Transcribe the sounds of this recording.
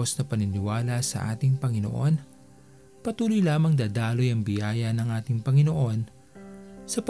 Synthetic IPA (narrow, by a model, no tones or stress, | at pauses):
osnɐpɐnɪnɪwaːlɐsɐ̰ʔa̰ːt̪ɪŋpɐŋɪno̞̰ʔo̞n | pɐt̪uːlʊjlaːmɐŋd̪aːd̪aːlo̞jɐŋbɪjaːjɐnɐŋʔaːt̪ɪŋpɐŋɪno̞ʔo̞n | sɐp